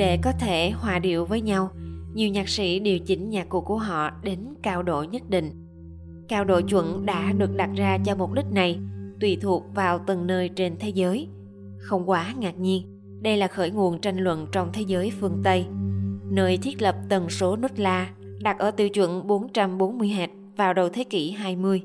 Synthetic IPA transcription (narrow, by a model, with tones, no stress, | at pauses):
ɗe˧˩kɔ˨˦t̪ʰe˧˩hwaː˨˩ɗḭ˧˨əwvəː˨˦jɲa˧wɲi˨˩əwɲaː˨˩k̚sḭ˧˥ɗi˨˩əwt͡ɕï˨˦ŋ̟ɲaː˨˩kku˧˩ku˧˩əɦɔ̰˧˨ɗe˨˦nkaː˧wɗo̰˧˨jɲə˦˥t̚ɗḭ˧˨ŋ̟ | kaː˧wɗo̰˧˨jt͡ɕwə̰˧˨nɗa̰ː˧˥ɗɨ˨˩ək̚ɗa˨˩t̚zaː˧t͡ɕɔ˧mo˨˩ɗï˦˥k̟̚na˨˩jt̪wi˧˩t̪ʰu˨˩ək̚vaː˨˩wt̪ə˨˩nːəː˧jt͡ɕe˧nt̪ʰe˨˦zəː˨˦j | xə˧wŋ͡mkwaː˨˦ŋaː˨˩k̚ɲi˧ən | ɗə˧jlaː˨˩xəː˧˩jŋṵ˧˨ənt͡ɕa˧jŋ̟lwə̰˧˨nt͡ɕɔ˧wŋ͡mt̪ʰe˨˦zəː˨˦jfɨ˧˨˩əŋt̪ə˧jnəː˧jt̪ʰi˦˥ət̚lə˨˩p̚t̪ə˨˩nso˨˦nə˦˥t̚laː˧ | ɗa˨˩t̚ʔəː˧˩t̪ɨ̰˧˩wt͡ɕwə̰˧˨nɓo˨˦nt͡ɕa˧mɓo˨˦nmɨ˧əjɦɛ˨˩t̚vaː˨˩wɗə˨˩wt̪ʰe˨˦ki˧˩ɦaː˧jmɨ˧əj